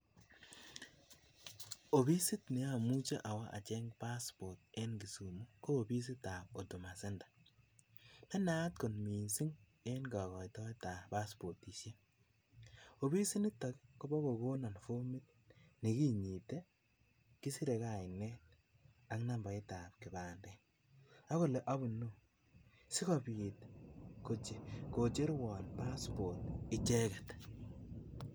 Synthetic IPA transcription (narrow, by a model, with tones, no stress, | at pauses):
o˨bi˦si˦tni˨a˦˨mu˦t͡ʃe˦ʔa˨wa˦ʔa̰˨t͡ʃɛ˦ŋpa˦spɔ˨t̚e˦nɡi˨su˨mu˦koː˦˨bi˦s̬i˦ta˨p̚o˨tu˨ma˨se˦ndḁ˨ | mɛ˦na˦tko˨nmi˨nsi˦ŋ | e˦nɡɔ˨kɔ˨jtɔ˦ta˨pa˦spo˨ti˨se˦ | o˨bi˦si˦ni˦ta˨kko˦bɔ˦ko˨ko˦na˨nfo˦mi˦t̚ | ni˨ki˦ɲi˨te˦ | ki˦si˦ɾe˨ka˨ɪ˨nɛ˦t̚ | a˦ŋna˨mba˨ɪ˦ta˨p̚kɪ˨ba˨ndɛn | a˦ko˨le˨ʔa˦bu˨no˦ | sɪ˦kɔ˨bi˨tko˨t͡ʃe˨ko˨t͡ʃe˦ɾwɔ˨npa˦spo˨ɾtɪ˦t͡ʃe˦kɛ˨t